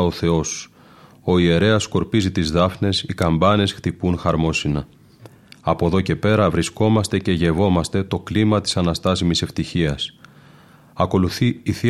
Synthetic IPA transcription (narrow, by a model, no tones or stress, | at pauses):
oθe̞o̞s | o̞ie̞ɾe̞ɐsko̞ɾpizit̪izðɐfne̞sikɐmbɐne̞sxt̪ipunxɐɾmo̞sinɐ | ɐpo̞ðo̞ce̞pe̞ɾɐvɾisko̞mɐst̪e̞ce̞ʝe̞vo̞mɐst̪e̞t̪o̞klimɐt̪i̥sɐnɐst̪ɐsimise̞ft̪içiɐs | ɐko̞luθiiθi